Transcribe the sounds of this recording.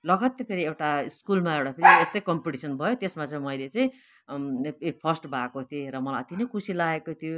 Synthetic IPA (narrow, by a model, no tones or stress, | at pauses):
lʌɡʌt̪ːʌpʰeɾiewʈaiskulmaewɽapʰeɾiest̪ʌjkʌmpiʈisʌnbʱʌjot̪esmat͡saĩmʌjlet͡saĩ | epʰʌsʈbʱakot̪ʰieɾʌmʌlajʌt̪inʌkʰusilaekot̪ʰijo